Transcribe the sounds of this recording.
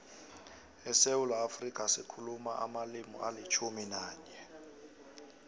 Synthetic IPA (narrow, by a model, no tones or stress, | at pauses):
ɛsewulaafrikʼasikʰulumaʔa̰malimɔ̰ʔalit͡ʃʰuminaːɲɛ